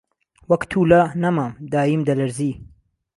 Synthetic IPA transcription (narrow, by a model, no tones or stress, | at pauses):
wɐkt̪ʰuːlɐnɐmaːmd̪aːjiːmd̪ɐlɐɾziː